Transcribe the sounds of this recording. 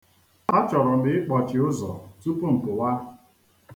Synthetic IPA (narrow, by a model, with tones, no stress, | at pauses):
ɔ˦t͡ʃɔ˨ɾɔ˨dɪ˨ɪ˦k͡pɔ˨t͡ʃɪ˨ʊ˦zɔ̰˨tu˦po˦ŋ̩˨ko˨wa˦